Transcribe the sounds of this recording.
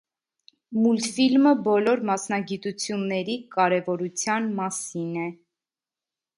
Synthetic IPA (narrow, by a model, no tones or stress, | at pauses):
mult̪filməbɔlɔɾmɑsnɑɡit̪ut͡sʰjunːɛɾikɑɾɛvɔɾut͡sʰjɑnmɑsinɛ